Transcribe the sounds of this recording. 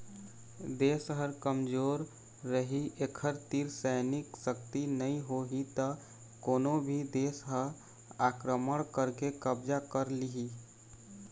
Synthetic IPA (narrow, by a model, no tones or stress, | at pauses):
d̪eːsɦəɾkəmd͡ʒoːɾː | əɦiʔekʰəɾt̪iɾsɛɪnɪksəkt̪inəĩɦoɦit̪ə | koːnobʱid̪eːsɦəɾ | aːkɾəməɽ̃kəɾkekəbd͡ʒakəɾliɦi